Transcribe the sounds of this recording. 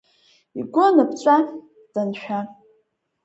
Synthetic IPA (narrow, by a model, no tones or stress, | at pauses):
ḭɡʷonapt͡ʃʷʼa | d̥anʃᶣa